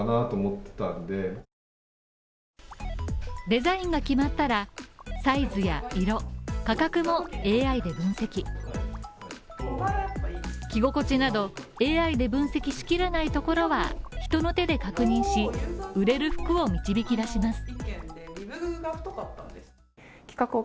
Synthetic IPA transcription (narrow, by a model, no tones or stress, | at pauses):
naːt̪oːmot̪ːãnd̪e̞ | d̪e̞zaĩŋɡakʲimat̪ːaɾasaizɨja̰iɾo̞kakakɯ̟mo̞e̞ːaid̪e̞bɯ̟̃ɰ̃se̞kʲi | kʲiɡo̞ko̞t͡ɕinad̪o̞ | e̞ːaid̪e̞bɯ̟̃ɰ̃se̞kʲiɕi̥kʲiɾanait̪o̞ko̞ɾo̞βa̰çi̥t̪o̞no̞t̪e̞d̪e̞kakɯ̟ɲ̟ĩɰ̃ɕiɯ̟ɾe̞ɾɯ̟ɸɯ̟̥kɯ̟o̞mʲit͡ɕibʲikʲid̪aɕimasɨ̥ | ɡaɸt̪od̪at̪ːãnd̪e̥ | kʲi̥kakɯ